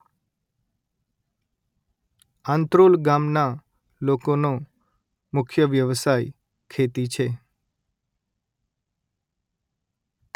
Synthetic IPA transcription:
ãnt̪ɾolɡamna | lokono | mʊkʰjəʋjəʋsaj | kʰet̪it͡ʃʰe

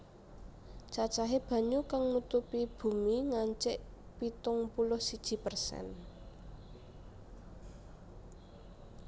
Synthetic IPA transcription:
t͡ʃat͡ʃaɦeb̥ä̤ɲukaŋnut̪upib̥ṳmiŋaɲt͡ʃɪʔpit̪ʊŋpulʊhsid̥ʒ̥i̤pərsɛ̰n

